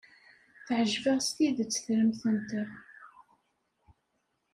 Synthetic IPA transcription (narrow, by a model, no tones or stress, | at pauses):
θʕəʒvəʁst̪iðt͡sːə̥θɾəmθənt̪ə